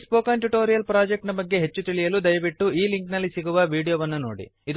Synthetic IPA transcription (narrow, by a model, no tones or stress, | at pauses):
spoːkaːɳʈuʈo̞ːɾijɐlpɾaːd͡ʒek̚ʈnɐbɐɡːe̞ɦe̞t͡ʃːut̪iɭijɐlud̪ɐjɐʋiʈːuʔiːliŋknɐlːisiɡuʋɐʋiːɽijoːʋɐnːuno̰ːɽḭid̪